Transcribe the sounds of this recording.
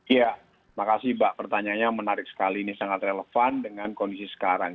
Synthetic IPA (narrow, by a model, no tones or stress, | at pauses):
ja | makasibaʔpərt̪aɲaɲamənaɾɪk̚sə̥kalinisaŋat̪reləfandəŋankondisisə̥kaɾaŋ